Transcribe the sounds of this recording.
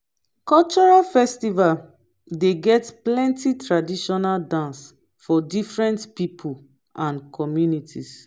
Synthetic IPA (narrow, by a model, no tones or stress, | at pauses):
kɔlt͡ʃɔɹalfɛstival | deɡɛtplɛ̃ntitɹadiʃɔnaldãns | fɔdifɹɛ̃ntpipʰul | ʔãnkʰɔmjunitʰis